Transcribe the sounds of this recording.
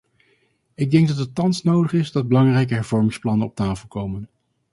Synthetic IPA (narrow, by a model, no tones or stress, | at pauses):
ɪɡ̚dɛŋɡ̚dɑtətːɑnsnowdəχɪsdɑd̚bəlɑŋrɛjk̬əɦɛɹvɔɹmɪŋsplɑnənɔp̚taːfəlˠkowmən